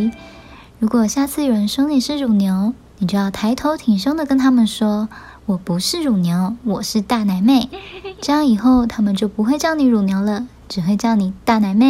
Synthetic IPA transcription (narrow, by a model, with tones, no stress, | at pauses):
ɻu˧˥kwɔ˨˩ɕja˥˧t͡sʰɹ̩˥˩i˨˩ɻə˧˥nʂɤ˥ŋli˨˩ʂɻ̩˥˩ɻu˨˩njo˧˥ʊ | ni˨˩t͡ɕjo˥˧ʊjɑ˥˩ʊt̪ʰa˧˥ɪt̪ʰo˧˥ʊt̪ʰi˨˩ŋʂɤ˥ŋd̪ə˨kə˥nt̪ʰa˥mə˨nʂwɔ˥wɔ˨˩pu˧˥ʂɻ̩˥˩ɻu˨˩njo˧˥ʊwɔ˨˩ʂɻ̩˥˧t̪a˥˩na˧˥ɪme˥˩ɪʈ͡ʂɤ˥˧jɑ˥˩ŋi˨˩xo˥˩ʊt̪ʰa˥mə˨nt͡ɕjo˥˩ʊpu˧˥xwe˥˧ɪt͡ɕjɑ˥˩ŋni˧˥ɻu˨˩njo˧˥ʊlə˧ | ʈ͡ʂɻ̩˨˩xwe˥˧ɪt͡ɕjɑ˥˩ʊni˨˩t̪a˥˩na˧˥ɪme˥˩